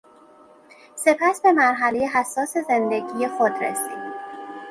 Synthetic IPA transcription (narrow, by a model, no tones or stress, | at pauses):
se̞pʰæsbe̞mæɾɦælejeɦæsːɒːse̞zend̪eɟiːje̞xod̪ɾḛsḭd̪